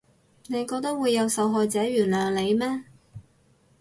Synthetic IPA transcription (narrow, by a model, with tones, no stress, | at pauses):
ne˨˧jkɔː˧k̚t̪ɐ˥k̚wuː˨˧jːɐ˨˧wsɐ˨˧wɦɔː˨jt͡sɛː˨˥ɥyː˨˩nlœː˨ŋle˨˧jmɛː˥